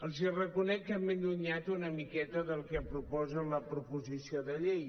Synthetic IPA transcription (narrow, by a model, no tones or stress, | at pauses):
əlˠzirəkunɛk̚t̪əmend̪uɲat̪unəmikɛt̪əðəlˠkɛpɾupɔzənləpɾupuzisioðəʎej